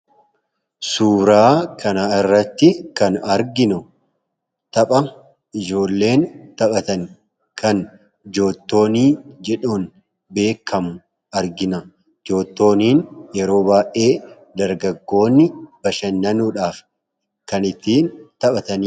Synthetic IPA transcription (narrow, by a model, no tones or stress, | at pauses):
suːɾaːkʰɐnɐɪrːɐt̪ːɪkɐnɐɾɡɪnʊ | t̪ɐpʼɐ | ɪd͡ʒo̞ːlːe̞ːnt̪ɐpʼɐt̪ɐn | kʰɐn | d͡ʒo̞ːt̪ːo̞ːniːd͡ʒɛᶑuːn | be̞ːkʰːɐmʊ | ɐɾɡɪnɐ | d͡ʒo̞ːt̪ːo̞ːniːnjɛɾo̞ːbaːʔe̞ː | d̪ɐɾɡɐɡːo̞ːnːɪb̥ɐʃɐnːɐnuːᶑaːf | kɐnɪt̪ːiːnt̪ɐpʼɐt̪ɐnː